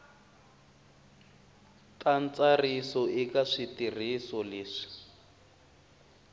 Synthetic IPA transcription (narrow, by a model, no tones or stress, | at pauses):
tant͡sarisɔʔikaʂitir̤isɔleːʂi̥